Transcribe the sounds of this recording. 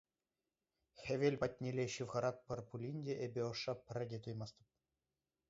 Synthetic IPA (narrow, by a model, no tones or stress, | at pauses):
xʲĕʋʲelʲpɑtʲnʲelʲeɕɯʋʁɑɾɑk̚pʲɘ̆rpulʲinʲdʲeʔebʲeoʂːɑpʲɘ̆rʲɘ̆dʲet̪ujmɑst̪ɤ̥̆p̚